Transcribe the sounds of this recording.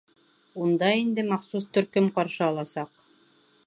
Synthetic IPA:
und̪ɑind̪ɘmɑχsust̪ɵ̆ɾkɵmqɑɾʃɤːlˠɑsɑq

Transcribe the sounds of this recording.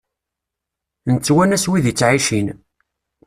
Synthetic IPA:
nt͡sːwænæswiðit͡sːʕiʃin

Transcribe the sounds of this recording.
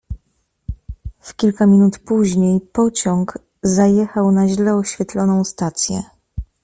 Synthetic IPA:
fkʲilkamʲinut̪puʑɲejpɔt͡ɕɔŋɡ | zajɛxawnaʑlɛɔɕfʲjɛt̪lɔnɔ̃w̃st̪at̪sʲjɛ̰

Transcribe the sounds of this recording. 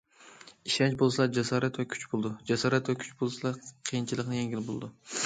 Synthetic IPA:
iʃɛnt͡ʃbolˠslˠɑd͡ʒɛsɑːɾæt̪vɛkʲʰy̥t͡ʃbolˠd̪ʊd͡ʒæsɑːɾæt̪vækʲʰy̥t͡ʃbolˠsɨlˠɑqʰijint͡ʃʰilˠɨqnɨjeŋɡʲilɪbolˠd̪ʊ

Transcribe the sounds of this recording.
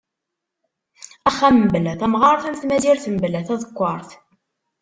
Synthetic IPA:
æχæmblæθæmʁɑɾˤθæmθmæziɾθəmblæθæðəkʷːɑɾˤθ

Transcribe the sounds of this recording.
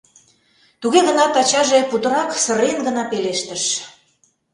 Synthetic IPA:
t̪uɣeɣə̆nɑt̪ɑt͡ɕɑʒeput̪ə̆ɾɑksə̆ɾenɡə̆nɑpeleʃt̪ə̆ʃ

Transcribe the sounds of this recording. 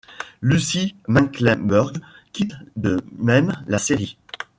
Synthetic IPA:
lysimãnklɛbœʁɡkʲit̪d̪əmɛmlaseʁi

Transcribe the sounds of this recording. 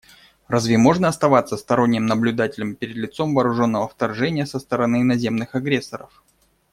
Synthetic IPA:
razvʲɪmo̞ʐnəɐst̪ɐvat̪sːəst̪ɐɾo̞nʲːɪmnəblʲʉd̪atʲɪlʲəmpʲɪɾʲɪd̪lʲɪt̪so̞mvɐːɾʊʐo̞nːəvəft̪ɐrʐɛnʲɪjəsəst̪əɾɐnɨɪnɐzʲe̞mnɨxɐɡɾʲe̞sːəɾə̰f

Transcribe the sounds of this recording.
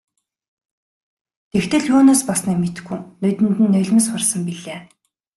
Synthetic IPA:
t̪ʰext̪ʰɘ̆ɮuːnoːspasniːmet̪̆xuːnɵjt̪ɘ̆nt̪ɘ̆nːœɮ̆ʲmɘ̆sχʊrsə̆mpiɮeː

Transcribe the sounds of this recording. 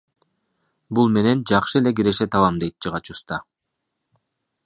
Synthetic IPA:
bulˠme̞ne̞nd͡ʒɑqʃɯele̞ɡiɾe̞ʃet̪ɑlˠɑmd̪e̞jt̪̚t͡ʃɯʁɑt͡ʃust̪ɑ

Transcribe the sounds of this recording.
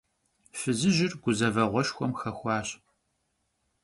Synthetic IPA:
fɨzɨʒɪrɡ̥ʷʊzɐvɐʁʷɔʃxʷɔmxɐxʷɑːɕ

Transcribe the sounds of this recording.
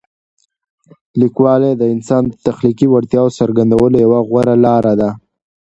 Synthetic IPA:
likwɑled̪əɪnsɑnt̪axlikiwaɽt̪jɑwosəɾɡand̪awəlojawaɣwaɾalɑɾad̪a

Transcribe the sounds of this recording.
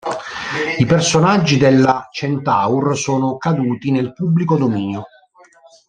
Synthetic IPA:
ipersonad͡ʒːid̪elːat͡ʃent̪aursoːnokad̪uːt̪inelpubːlikod̪omiːnjo

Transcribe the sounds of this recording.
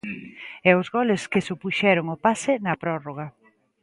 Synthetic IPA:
ɛʊzɣɔlɪskɪsopuʃɛɾʊŋopasɪnɐpɾɔroɣ̞ɐ

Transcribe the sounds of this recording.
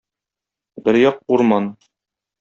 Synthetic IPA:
bɘɾjɒq̚uɾmɑn

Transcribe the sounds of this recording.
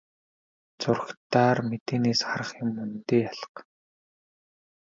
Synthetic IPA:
t͡sʊr̆xt̪aːrmet̪eːneːsχaɾə̆χjʊmːɵnt̪eːaɮə̥̆q

